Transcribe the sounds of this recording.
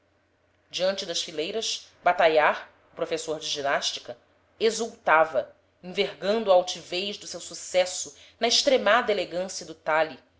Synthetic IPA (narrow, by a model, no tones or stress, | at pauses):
d͡ʒiɐ̃nt͡ʃɪd̪ɐʃfilejɾɐʃbat̪ajaɾ | ʊpɾofesoɾd͡ʒɪʒinaʃt͡ʃi̥kɐ | ezuwt̪avɐ | ĩveɦɡɐ̃nd̪ʊaawt͡ʃivejʒd̪ʊsewsusɛsʊ | nɐɪʃt̪ɾemad̪ɐeleɡɐ̃siɐd̪ʊt̪ali